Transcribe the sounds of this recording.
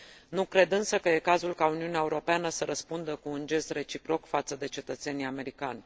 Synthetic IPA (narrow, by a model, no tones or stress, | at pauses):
nukɾe̞d̪ɨnsəkəje̞kazulkauniuneaeuɾo̞peanəsəɾəspund̪əkuːnd͡ʒe̞sre̞t͡ʃipɾo̞kfat̪səd̪e̞t͡ʃe̞t̪ət̪se̞nijame̞ɾikanʲ